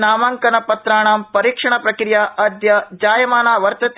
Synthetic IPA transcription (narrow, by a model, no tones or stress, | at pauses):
naːmaːŋkɐnɐpɐt̪ɾaːɳaːmpɐɾiːkʂɐɳɐpɾɐkɾijaːʔɐd̪jɐd͡ʒaːjɐmaːnaːʋɐɾt̪ɐt̪